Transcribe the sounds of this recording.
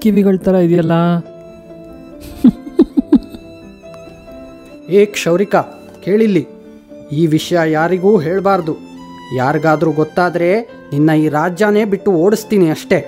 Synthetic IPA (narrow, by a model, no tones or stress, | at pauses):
kiʋiɡɐɭt̪ɐɾɐid̪ijɐlːɐ | eːkʂɐʋwɾika | ke̞ːɭilːi | iːʋiʂɐjɐjaːɾiɡuːɦe̞ːɭbaːɾd̪u | jaːɾiɡaːd̪ɐɾuɡɔt̪ːaːd̪ɐɾe̞ | ninːɐiːɾaːd͡ʒjaːne̞ːbiʈːuo̞ːɽist̪iːniɐʂʈe̞